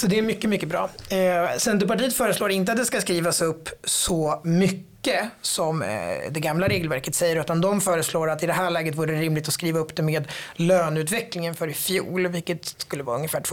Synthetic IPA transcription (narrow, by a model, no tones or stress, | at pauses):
sɔd̪ɛæɾmʏkːəmʏkːəbɾɑ̰ː | sɛnt̪̬əpaʈiːjət̪fœːɾəsloːɾɪnt̪əat̪̚d̪ɛskaskɾiːvasɵpːsɔmʏkːəsɔmd̪ɛɡamlaɾeːɡəlvæɾkət̪sɛjːəɾʉ̟ːt̪and̪ɔmfœːɾəsloːɾat̪ːɪd̪ɛɦæːɭɛːɡət̪vuːɾəɛɾɪmlɪɡ̚t̪ɔskɾiːvaɵpːd̪ɛmeːd̪løːnʉ̟ːt̪vɛklɪŋənfœɾɪfjṵːlvɪlkːət̪skɵlːəvɑːɾaɵŋːəfæːʈʰv